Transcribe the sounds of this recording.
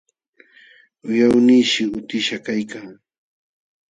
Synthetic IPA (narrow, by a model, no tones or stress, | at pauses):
ʊjawniːʃɪʊt̪ɪʃakajkaŋ